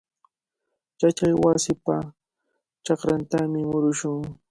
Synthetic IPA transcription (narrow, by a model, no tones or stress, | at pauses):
t͡ʃat͡ʃajwasɪpa | t͡ʃɑkɾant̪amɪmʊɾʊʃʊŋ